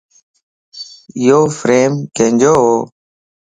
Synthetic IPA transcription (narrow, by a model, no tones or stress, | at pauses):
joːfɾeːmkẽːnd͡ʒoːɦoː